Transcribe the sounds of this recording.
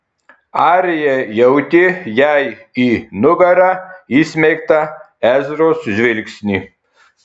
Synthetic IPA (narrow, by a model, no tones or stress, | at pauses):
ɑːɾʲɪjɛjɛʊt̪ʲɪjæjiːnʊɡɐɾɑiːsʲmʲɛɪkt̪ɐ | æzʲɾoːsʒʲʋʲɪlʲkʲsʲnʲiː